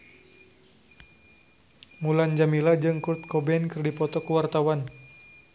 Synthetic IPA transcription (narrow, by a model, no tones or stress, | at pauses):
muland͡ʒamilad͡ʒɨŋkurt̪̚kɔbɛnkɨrdipɔt̪ɔkuwart̪awan